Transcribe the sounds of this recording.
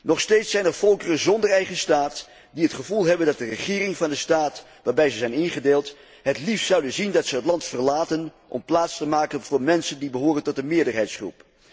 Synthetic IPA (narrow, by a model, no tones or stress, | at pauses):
nɔχstejtsɛjnɛɹv̥ɔlˠkərənzɔndərɛjχənstaːt | diɦətχəvulˠɦɛbəndɑt̚dərəχɪːrɪŋvɑndəstaːt | ʋaːɹbɛjzəzɛjnɪnχədeːlˠt | ɦətliftsʌwdənzindɑtsəɦətlɑntfərlaːtənʔɔ̰mplaːtstəmaːkənvʊːɹmɛnsəndibəɦoːrəntɔt̚dəmɪːɹdəɹɦɛjtsχrṵp